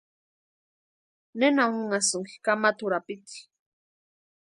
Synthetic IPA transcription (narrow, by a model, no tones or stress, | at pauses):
nenaŋŋʊŋasʊŋki̥kamat̪ʊɾapit̪i̥